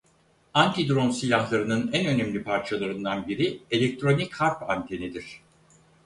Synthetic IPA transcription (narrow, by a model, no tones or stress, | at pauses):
ant̪ʰid̪ɾo̞nsilʲahlˠaɾɯnɯnænø̞nɛmlʲipʰaɾt͡ʃʰalˠaɾɯnd̪anbiɾie̞lʲɛk̚t̪ʰɾo̞nikʰhaɾpant̪ʰe̞ned̪iɾ̝̥